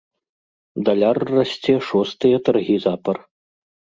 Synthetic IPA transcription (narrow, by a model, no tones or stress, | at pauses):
d̪ɐlʲarːasʲt͡sʲɛʂɔst̪ɨjɐt̪ɐrɣʲizapɐr